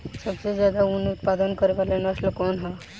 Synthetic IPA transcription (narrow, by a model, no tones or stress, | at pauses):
səbsed͡ʒjad̪aunut̪̚pad̪ənkəɾeʋalenəslokɔnɦa